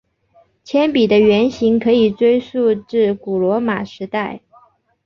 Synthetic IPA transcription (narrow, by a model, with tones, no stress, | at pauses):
t͡ɕʰjɛ˥npi˨˩d̪ə˦ɥɛ˧˥nɕi˧˥ŋkʰɤ˧˥i˨˩ʈ͡ʂwe˥ɪʂu˥˧ʈ͡ʂɻ̩˥˩ku˨˩lwɔ˧˥ma˨˩ʂɻ̩˧˥t̪a˥˩ɪ